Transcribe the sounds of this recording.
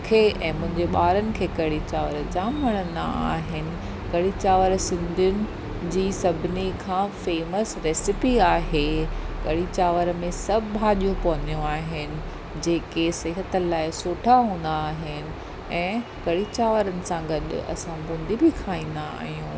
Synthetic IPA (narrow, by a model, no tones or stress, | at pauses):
kʰeʔɛ̰̃ːmʊ̃ɦɪ̃ɲd͡ʑeɓaːɾənɪ̆kʰeːkɐɽit͡ɕaːʋəɾd͡ʑaːmʋɐɽ̃ə̃nd̪a̰a̰ːɦɪnɪ̆ | kɐɽit͡ɕaːʋəɾsɪ̃nd̪ʱijʊnɪ̆ | d͡ʑiːsɐbʱɪnikʰãːfeːməsɾeːsɪpiaːɦekɐɽit͡ɕaːʋəɾmẽsɐbʱɦaːʄijõpɐɦə̃nd̪ijõaːɦɪnɪ̆ | d͡ʑeːkesɪɦət̪ə̆laːɪsoːʈʰaɦũːn̆d̪aːɦɪnɪ̆ | ɛ̃ːkɐɽit͡ɕaːʋəɾənɪ̆sãɡɐɗ̰ɐ̰sãɡʊ̃ːnd̪ʱibɪkʰaːĩːn̆d̪aa̰ːɦijũː